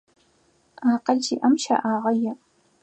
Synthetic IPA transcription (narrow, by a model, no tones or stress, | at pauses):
aːqɐɮd͡ʒiːʔɐmʃa̰ːʔaːʁɐjɪ